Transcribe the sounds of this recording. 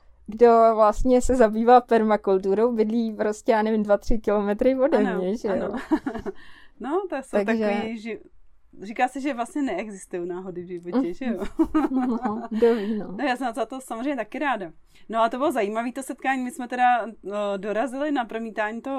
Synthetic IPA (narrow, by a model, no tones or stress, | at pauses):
ɡdo̞vlast̪ɲɛsɛzabiːvaːpɛɾmakult̪̬uɾo̞wbɪdliːpɾoscɛjaːnɛvɪmdvat̪r̝̥ɪkɪlo̞mɛt̪ɾɪvodɛmɲɛʒɛjo | not̪asoaɡt̪akʒɛiʒɪ | riːkaːsɛʒɛvlast̪ɲɛnɛʔɛɡzɪst̪ujownaːɦo̞dɪvʒɪvocɛʒɛjo | ɡdovinonojaːsɛmnat̪ozat̪osamozɾejɲɛt̪akɪɾaːda | noat̪obɪlozajiːmaviːt̪osɛt̪̚kaːɲiːmɪsmɛt̪ɛdado̞ɾazɪlɪnapɾomiːt̪aːɲit̪oɦ